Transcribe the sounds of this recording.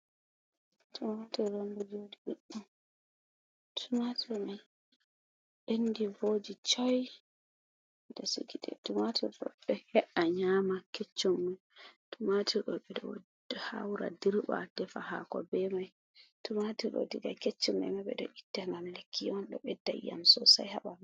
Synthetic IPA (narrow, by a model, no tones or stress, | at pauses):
tʰumatɛɾonbud͡ʒodibeɗːum | tʰumatɛmaj | ʔenːdivod͡ʒit͡ʃɔj | dɔsḭɡiɗɛ̰tumatʰiɗɔ̰ɗɔhɛʔaɲamaket͡ʃːumːajtumatʰiɗɔɓɛdɔ | ha̰wɾa̰diɾɓa̰d̥ɛfahakɔ̰bɛmaj | tumatiɗɔ̰diɡa̰ket͡ʃːumːɛ̰mabɛ̰dɔ̰ʔitːaŋɡamlekʰːijɔnɗɔɓɛdːa̰jːa̰msɔsa̰jhaɓam